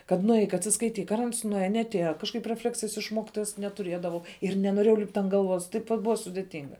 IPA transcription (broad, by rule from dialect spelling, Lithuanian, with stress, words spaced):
kɐt nʊˈɛɪk ɐtʲsʲɪskɐɪˈtʲiːk ɐr ɐns nʊˈæːjɛ nʲɛɐtʲˈeːjɛ kɐʃˈkɐɪp rʲɛˈfʲlʲæːksʲɪjɛs ɪʃ ˈmoːkʲɪtoːjɛs nʲɛtʊˈrʲiɛdɐʋɐʊ ɪr nʲɛnoːˈrʲeːjɛʊ lʲɪpʲtʲ ɐnt ɡɐlˠˈʋoːs tɐɪp ʋɐt ˈbʊʋɐ sʊdʲeːˈtʲɪŋɡɐ